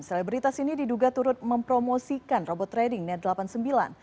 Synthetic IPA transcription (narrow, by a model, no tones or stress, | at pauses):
selibɾit̪asinididuɡat̪uɾʊt̪̚məmpɾomosikanrobɔt̪ːɾedɪŋnɛt̪̚dəlapansəmbila̰n